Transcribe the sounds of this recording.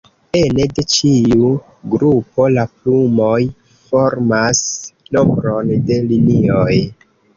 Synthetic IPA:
enede̞t͡ʃiu | ɡɾupo̞laplumoj | foɾmasnombɾonde̞linioj

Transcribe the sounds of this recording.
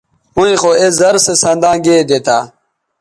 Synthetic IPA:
ũĩxoezɐɾsesɐ̃nd̪ãːɡed̪et̪ʰaː

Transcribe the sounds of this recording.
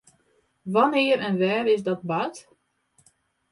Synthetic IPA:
ʋanɪːəɾɛnʋɛːrɪsdɔt̚bat

